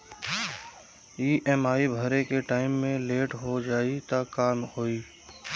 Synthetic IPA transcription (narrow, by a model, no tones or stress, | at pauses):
iːʔɛmaːibʱəɾekeʈaːɪmːẽleːʈɦod͡ʒaːit̪akaːmhoːiː